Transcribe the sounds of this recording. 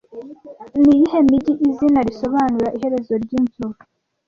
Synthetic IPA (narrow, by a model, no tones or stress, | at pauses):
nijihemiɟiʔizinaɾiso̞βaːnuɾaʔiɦe̞ɾe̞zo̞ɾɟiːnzuɾ